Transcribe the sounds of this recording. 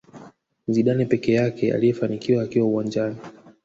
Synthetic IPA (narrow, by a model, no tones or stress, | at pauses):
m̩ziɗanipɛkɛjakɛa̰lijɛfanikiwaːkiwauwaɲd͡ʒani